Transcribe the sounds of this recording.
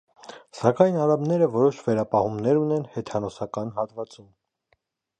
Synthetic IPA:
sɑkɑjnɑɾɑmnɛɾəvɔɾɔʃvɛɾɑpɑhumnɛɾunɛnhɛt̪ʰɑnɔsɑkɑnɦɑt̪vɑt͡sum

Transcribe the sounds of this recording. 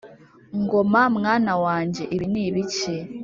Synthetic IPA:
ŋɡomamŋaːnawaːɲɟe̞ʔiβiniːβice

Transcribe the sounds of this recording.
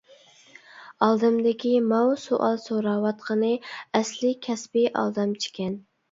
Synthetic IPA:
ɑlˠd̪ɨmd̪ɪkʲimɑwsoʔɑlˠsoɾɑːwɑt̪qʰənɨɛslɪkʲʰɛsbɪʔɑ̰lˠd̪ɑmt͡ʃʰi̥kʲɛn

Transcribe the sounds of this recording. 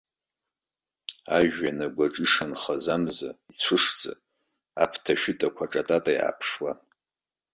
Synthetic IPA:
aʒᶣːanaɡʷaʈ͡ʂʼiʂanχazamza̰it͡sʷʰʊʂd͡zʼa̰ | a̰pʰtʰaʃᶣʊtʼakʷʰaʈ͡ʂʼatʼatʼajʔa̰pʰʂwa

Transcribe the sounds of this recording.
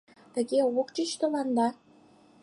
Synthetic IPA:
t̪ə̆ɣeokt͡ɕət͡ɕt̪ə̆lɑnd̪ɑ

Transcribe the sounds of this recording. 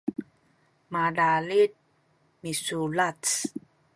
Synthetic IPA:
madalit̚ | misulats

